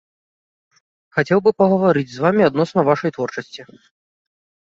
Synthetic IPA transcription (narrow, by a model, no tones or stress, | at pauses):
xat͡sʲɛwbɨpɐɣɐvaɾɨd͡zʲzvamʲiad̪̚nɔsnɐvaʂɐjt̪vɔrt͡ʂɐsʲt͡sʲi